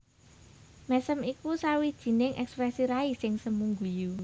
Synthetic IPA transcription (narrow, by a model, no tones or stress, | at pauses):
mɛsəmikusawid̥ʒ̥i̤nɪŋʔɛkspɾɛsiɾaisɪŋsəmuŋɡuju